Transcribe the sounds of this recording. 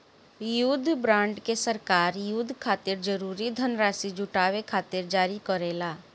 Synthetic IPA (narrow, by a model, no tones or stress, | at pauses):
jud̪ʱbɾãːɳɖkesəɾkaːɾjud̪ʱkʰaːt̪ɪɾd͡ʒəɾuːɾid̪ʱənɾaːsid͡ʒʱʊʈaːʋekʰaːt̪ɪɾd͡ʒaːɾikɔɾeːlaː